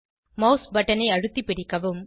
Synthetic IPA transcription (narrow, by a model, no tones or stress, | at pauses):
mɐʊsbɐʈːɐnɐɪɐɻɯt̪ːipːɪɽɪkːɐʋɯm